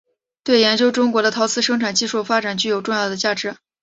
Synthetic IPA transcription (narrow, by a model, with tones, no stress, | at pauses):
t̪we˥˩ɪjɛ˧˥nt͡ɕjo˥ʊʈ͡ʂʊ˥ŋkwɔ˧˥ɾə˧t̪ʰɑ˧˥ʊt͡sʰɹ̩˥˩ʂɤ˥ŋʈ͡ʂʰa˨˩nt͡ɕi˥˧ʂu˥˩fa˥ʈ͡ʂa˨˩nt͡ɕy˥˩jo˨˩ʊʈ͡ʂʊ˥˧ŋjɑ˥˩ʊd̪ə˩t͡ɕja˥˩ʈ͡ʂɻ̩˧˥